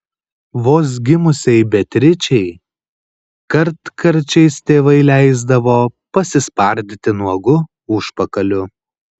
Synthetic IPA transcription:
ʋoːs̬ɡʲɪmʊsʲɛɪbʲɛt̪ʲɾʲɪt͡ʃʲɛɪ | kɐɾt̪kʰɐɾʲt͡ʃʲɛɪst̪ʲeːʋɐɪlʲæɪzd̪ɐʋoːpɐsʲɪspɐɾʲd̪ʲɪt̪ʲɪnuɔɡʊ | ʊʃpɐkɐlʲʊ

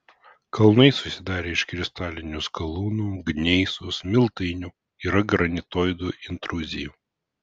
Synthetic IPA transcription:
kɐlˠnɐɪsʊsʲɪd̪ɑːɾʲeːɪʃkɾʲɪst̪ɑːlʲɪnʲʊskɐlˠuːnuːɡnʲɛɪsʊsmʲɪlˠt̪ɐɪnʲu | iɾɐɡɾɐnʲɪt̪oːjd̪uːʔɪnt̪ɾʊzʲɪjuː

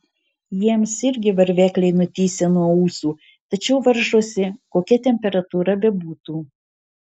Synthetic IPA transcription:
jiɛmsɪɾʲɡʲɪʋɐɾʲʋʲæːklʲɛɪnʊt̪ʲiːsʲenuɔuːsuː | t̪ɐt͡ʃʲɛʊʋɐɾʒuɔsʲɪkoːkʲɛt̪ʲɛmʲpʲɛɾɐt̪uːɾɐbʲɛbuːt̪uː

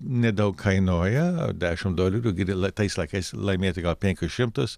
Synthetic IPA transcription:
nʲɛd̪ɐʊkʰɐɪnoːjɛdʲæːʃʲɪmd̪oːlʲɪɾʲuɡʲɪɾɪlˠɐt̪ɐɪslˠɐɪkɐɪslˠɐɪmʲeːt̪ʲɪɡɐlˠpʲɛ̃ŋʲkʲʊsʃʲɪmt̪ʊs

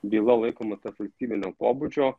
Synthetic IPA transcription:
bʲiːlˠɐlˠɐɪkoːmɐt̪ɐfɐlʲsʲt̪ʲiːbʲɪnʲoːpoːbʊt͡ʃʲoː

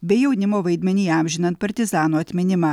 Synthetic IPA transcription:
bʲɛɪjɛʊnʲɪmoːʋɐɪd̪ʲmʲɛnʲiːæˑmʲʒʲɪnɐnt̪̚pɐɾʲt̪ʲɪzɑːnoːɐt̪ʲmʲɪnʲɪmɑː

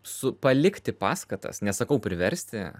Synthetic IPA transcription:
sʊpɐlʲɪkt̪ʲɪpɑːskɐt̪ɐ̰snʲɛsɐkɐʊpʲɾʲɪʋʲɛɾʲsʲt̪ʲɪ

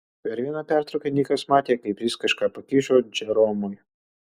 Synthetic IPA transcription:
pʲɛɾʋʲinɐpʲɛɾt̪ɾʊkʲɛnʲiːkɐsmɑːt̪ʲeɛkɐɪpʋʲiːskɐʃkɑpɐkʲiʒod͡ʒɛɾɔmɔj

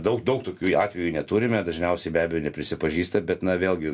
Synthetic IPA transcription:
d̪ɐʊkd̪ɐʊkt̪oːkʲuːɑːt̪ʲʋʲɛjuːnʲɛt̪uːɾʲɪmʲɛd̪ɐʒʲnʲɛʊsʲɛɪbʲæːbʲɛjoːnʲɛpʲɾʲɪsʲɪpɐʒʲiːst̪ɐbʲɛt̪nɐʋʲeːlˠɡʲɪ

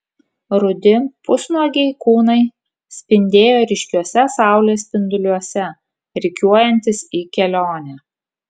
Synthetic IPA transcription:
ɾʊd̪ʲɪpʊsnuɔɡʲɛɪkuːnɐɪ | sʲpʲɪnʲd̪ʲeːjoːɾʲɪʃʲkʲuɔsʲɛsɑˑʊlʲeːsʲpʲɪnd̪ʊlʲuɔsʲɛ | ɾʲɪkʲuɔjɛnʲt̪ʲɪsiːkʲɛlʲoːnʲæː

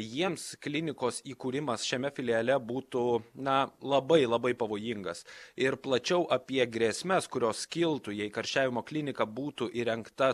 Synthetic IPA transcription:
jiɛmsklʲɪnʲɪkoːsiːkuːɾʲɪmɐsʃʲɛmʲɛfʲɪlʲiɐlʲɛbuːt̪ʊnɐlˠɐbɐɪlˠɐbɐɪpɐʋoːjɪŋɡɐsɪɾplˠɐt͡ʃʲɛʊʔɐpʲiɛɡɾʲeːsʲmʲɛskʊɾʲoːskʲɪlˠt̪ʊjɛɪkɐɾʲʃʲt͡ʃʲæːʋʲɪmoːklʲɪnʲɪkɐbuːt̪ʊʔiɾʲɛŋkt̪ɐ

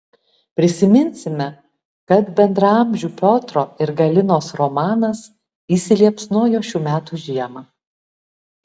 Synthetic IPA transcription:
pʲɾʲɪsʲɪmʲɪnʲsʲɪmʲɛ | kɐt̪bʲɛnd̪ɾɐɐmʲʒʲuːpʲoːt̪ɾoːɪɾɡɐlʲɪnoːsɾɔmɑːnɐs | iːsʲɪlʲiɛpsnuɔjoːʃʲuːmʲæːt̪uːʒʲiɛmɑː

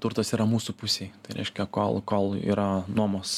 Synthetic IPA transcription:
t̪ʊɾt̪ɐsiːɾɐmuːsʊpʊsʲeɪt̪ɐɪɾʲɛɪʃʲkʲɛko̰ːlˠkoːlˠḭːɾɐnuɔmos

